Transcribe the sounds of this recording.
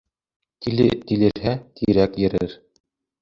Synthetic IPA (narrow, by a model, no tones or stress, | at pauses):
t̪ɘt̪ilɘ̆ɾɦæt̪ʰiɾækjɘ̆ɾɘɾ